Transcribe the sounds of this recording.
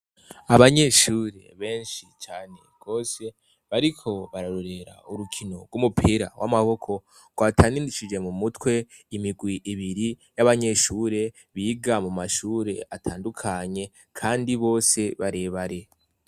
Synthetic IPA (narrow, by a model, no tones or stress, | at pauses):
aβaɲe̞ʃuːɾe̞̰βe̞ːnʃit͡ʃaːne̞̰ɡ̥o̞ːse̞ | βaɾikʰo̞βaɾaɾoɾe̞ɾa̰uɾukʰino̞ɡɡwumupʰiɾa̰wʔa̰maβo̞kʰo̞ | ɡ̥waːtʰaːnindit͡ʃid͡ʒemumutwe̞ | imiɡwiʔːβiɾijaβaɲe̞ʃuːɾe̞ | βiːɡamumaʃuːɾe̞̰atʰaːndukʰaɲe̞ | kʰaːndiβo̞ːse̞βaɾe̞ːβaɾe̞